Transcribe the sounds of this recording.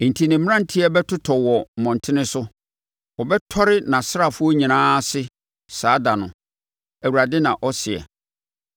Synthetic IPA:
n̩˨tʰi˨nɪ̃˨m̃˦ã˦n̩˨tʰi˦ɛ˦bɛ˦tʰʊ˦tʰɔ˨wɔ˨m̩˨mɔ̃˨n˨tʰɪ˦nɪ̃˦sʊ˦ | ɔ˨bɛ˦tʰɔ˦ɾɪ˦nã˨sɪ˦ɾa˦˨fʊ˦ɔ˦ɲĩ˨nãː˦sɪ˦ | saː˨˦da˨nʊ̰̃˨ | æ˨wu˨ɾa˨dɪ˦nã˨ʔɔ˦sɪ˨ɛ̰˨

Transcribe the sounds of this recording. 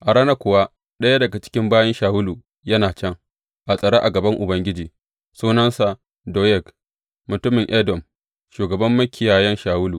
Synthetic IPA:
ʔa˨ɽaː˦na˦kʷʊ˨wa˦ | ɗɐ˦ja˦dɐ˨ɡa˨t͡ʃɪ̥˦kʲɪ˦mbaː˦jɐ˦nʃaː˨wʊ˦luː˨ | jɐ˦naː˨t͡ʃɐ˦ŋ | ʔa˨sʼɐ˨ɽaː˦ʔa˨ɡɐ˨bɐ˦ŋʔʊ˨bɐ˦ŋɡʲɪ˦d͡ʒiː˨ | suː˦nɐ˦nsa˨ | doː˨jɛ˦˨k | mʊ˨tʊ˦mɪ˨ŋʔɛ˦dɔ˨m | ʃuː˨ɡɐ˨bɐ˦mːɐ˦kʲɪ˨jaː˨jɛ˦nʃaː˨wʊ˦luː˨

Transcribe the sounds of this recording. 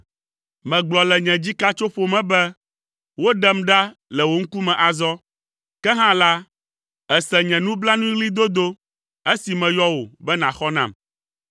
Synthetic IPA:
mɛ̃˨ɡ͡blɔ˨lɛ˨ɲɛ̃˨d͡ʑi˦ka˦t͡ʃo˦ɸo˦mɛ̃˨bɛ˦ | wo˦ɖɛ˦mɖa˦lɛ˨wo˨ŋ̩˦ku˦mɛ̃˨ʔa˨zɔ˦ | kɛ˦ɦã˦la˦ | ɛ˨sɛ˨ɲɛ̃˨nũ˦bla˦nũ˦ɣli˦d̪o˦d̪o˦ | e˦si˨mɛ̃˨jɔ˦wo˨bɛ˦nã˨xɔ˦nã̰˦˨m

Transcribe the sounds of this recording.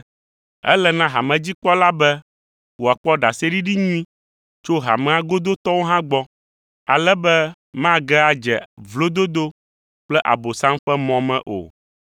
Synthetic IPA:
ɛ̰˦lɛ˨nã˦ɦa˨mɛ̃˨d͡ʑi˦k͡pɔ˦la˦bɛ˦ | wo˨a˨k͡pɔ˦ɖa˨se˦ɖi˦ɖi˦ɲũ˦ĩ˦ | t͡ʃo˦ɦa̰˨mɛ̃˨˦a˦ɡo˦d̪o˦t̪ɔ˦wo˦ɦã˦ɡ͡bɔ˦ | a̰˨lɛ˦bɛ˦ | mã˦ɡɛ˦a˨d͡ʒɛ˨vlo˦d̪o˦d̪o˦ | k͡plɛ˦ʔa̰˨bo˨sã˦mɸɛ˦mɔ̃˨mɛ̰̃˦ʔo̰˨

